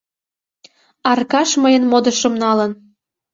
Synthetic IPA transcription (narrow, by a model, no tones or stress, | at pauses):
ɑrkɑʃməjənmod̪ə̆ʃə̆mnɑlən